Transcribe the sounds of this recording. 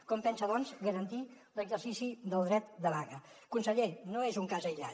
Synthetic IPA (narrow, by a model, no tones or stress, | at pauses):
kɔmpɛnsəðɔnzɣəɾənt̪i | ləɡzərsisiðəlˠd̪ɾɛt̪d̪əβaɣəkunsəʎenoezuŋkazəjʎa̰